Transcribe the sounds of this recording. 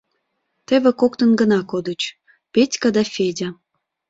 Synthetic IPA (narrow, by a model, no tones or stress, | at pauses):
t̪eβekokt̪ənɡənɑkod̪ət͡ɕ | petʲkɑd̪ɑfʲedʲa